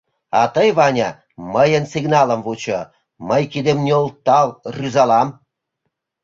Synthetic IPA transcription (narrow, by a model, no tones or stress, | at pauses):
ɑ̰t̪əjβɑnʲɑ | məjənsiɡnɑlə̆mvut͡ɕo | məjkid̪emnʲolt̪ːɑlryzɑlɑm